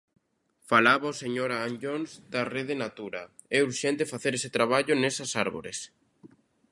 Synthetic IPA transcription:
falaβaoseɲoɾaand͡ʒonzd̪areðenat̪uɾa̰ | ɛuɾʃɛ̃nt̪efaθeɾeset̪ɾaβ̞aʎʊnɛsɐsaɾβo̰ɾḛs

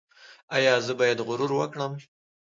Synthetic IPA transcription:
ajɑzəbɑjad̪ɣʊɾuɾwəkɽəm

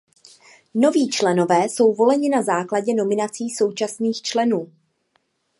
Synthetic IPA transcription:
no̞viːt͡ʃlɛno̞vɛːso̞wvo̞lɛɲɪnazaːklaɟɛno̞mɪnat͡siːso̞wt͡ʃasniːxt͡ʃlɛnuː

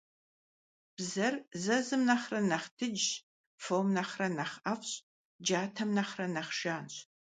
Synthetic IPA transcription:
b̥zɐrzɐzɨmnɐχrɐnɐχtʰɨd͡ʒ | fowmnɐχrɐnɐχɐfɕʼ | d͡ʒaːtʰɐmnɐχrɐnɐχʃaːnɕ

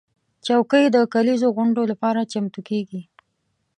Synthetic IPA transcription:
t͡ʃawkəjd̪əkalizoɣʊɳɖolapɑɾat͡ʃamt̪ukeɡi

